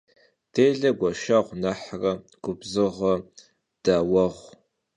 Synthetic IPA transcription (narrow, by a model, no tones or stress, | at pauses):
d̥eːɮɐɡʷɐʃɐʁʷnaħrɐ | ɡ̥ʷʊbzɨʁɐ | d̥awɐʁʷ